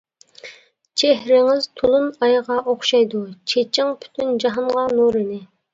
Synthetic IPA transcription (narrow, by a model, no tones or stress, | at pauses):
t͡ʃʰeɦɾɪŋɪz̥t̪ʰulˠunɑjʁɑʔoχʃɑjd̪ut͡ʃʰet͡ʃʰɪŋpʰy̥t̪ʰynd͡ʒɑɦɑɴʁɑnuɾɪnɪ